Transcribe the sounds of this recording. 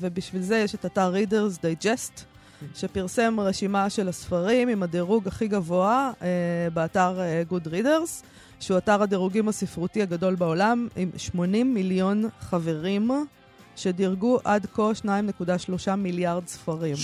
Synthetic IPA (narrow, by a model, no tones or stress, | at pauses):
vebiʃvilzejeʃe̞tataʁːideʁzdajd͡ʒest | ʃe̞piʁse̞mʁe̞ʃimaʃe̞lasfaʁimimadeʁuɡaχiɡavo̞aebeataʁɡudʁide̞ʁz̥ | ʃeuataʁadeʁuɡimasifʁutiaɡado̞lbao̞lamḭmʃmo̞nimːiljo̞nχave̞ʁim | ʃe̞diʁɡuʔadko̞lʃnaimne̞kudaʃlo̞ʃamiljaʁdsfaʁim